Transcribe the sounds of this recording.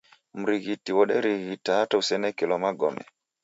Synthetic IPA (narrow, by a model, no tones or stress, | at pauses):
m̩ɾiɣitiwɔɗɛɾiɣitaatausɛnɛkɛlɔmaɡɔmɛ̰